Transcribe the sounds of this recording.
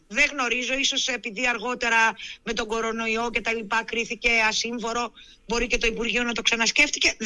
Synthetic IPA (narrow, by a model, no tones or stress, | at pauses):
ðe̞ɣno̞ɾizo̞iso̞se̞piðiɐɾɣo̞t̪e̞ɾɐme̞t̪o̞ɡo̞ɾo̞no̞io̞ce̞t̪ɐlipɐkɾiθice̞ɐsiɱfo̞ɾo̞ | bo̞ɾice̞t̪o̞ipuɾʝio̞nɐt̪o̞ksɐnɐsce̞ft̪ice̞